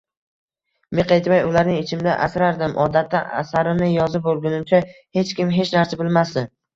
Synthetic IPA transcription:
meqejt̪majʊlaɾnɪŋɪt͡ʃʰɪmd̪aʔa̰sɾaɾd̪ɪmʔɒd̪at̪ʰːaʔa̰saɾɪmnɪjɒzɪp̚bolˠɡʲʊnɪmt͡ʃʰahe̞t͡ʃkʲɪmɦe̞t͡ʃnaɾsabɪlmasd̪ɪ

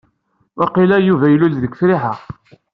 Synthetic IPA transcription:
wæqilæjuvæjəlːulðəkʷfɾiħaʁ

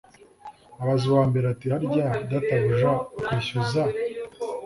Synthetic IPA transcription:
aβazuβaːmbe̞ɾeatiaɾɟadataβiʒakwiɕoza

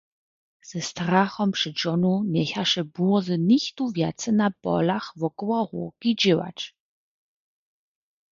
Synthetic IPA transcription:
z̥ɛst̪ɾaxɔmpʂɪd͡ʒɔnunjɛçaʂɛbuɔzənixt̪uvjat̪sɛnapɔ̰laxvɔkwɔɣṵkid͡ʑɪwa̰t͡ʃ

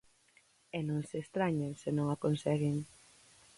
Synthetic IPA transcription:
ɛnõŋseːst̪ɾaɲensɪnõŋakonsɛɣɪŋ

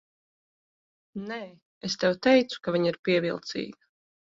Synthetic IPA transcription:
nɛː | est̪ɛwt̪ɛjt̪su̥kavʲiɲiɾpiɛvilˠt̪sḭːɡa

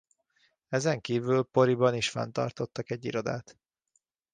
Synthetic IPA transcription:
ɛzɛŋkiːvylpo̞ɾibɒniʃfɛ̰nt̪ɒ̰rt̪o̞t̪ːɒkɛɟːḭɾod̪a̰ːt̪

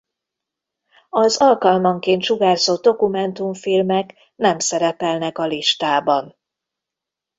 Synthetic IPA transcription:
ɒzɒlkɒlmɒŋkeːnt̪ʃuɡaːzoːd̪o̞kumɛnt̪uɱfilmɛk | nɛmsɛɾɛpɛlnɛkɒliʃt̪aːbɒn

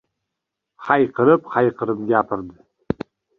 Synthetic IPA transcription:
χajqəɾɨpχajqəɾɨpɡʲaːpʰɨrd̪ɨ

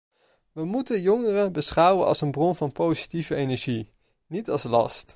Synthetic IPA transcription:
ʋəmutənjɔŋərəbəsχʌwənɑ̰lˠsənbrɔnvɑnpowzi̥tivəejnɛɹʒi | nitɑlˠslɑ̰st

